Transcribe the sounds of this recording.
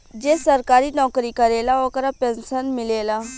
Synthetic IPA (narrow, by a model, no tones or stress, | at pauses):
d͡ʒeːsəɾkaːɾiːnɔːkɾiːkəɾeːlaːoːkəɾaːpɛ̃nsənmɪleːlaː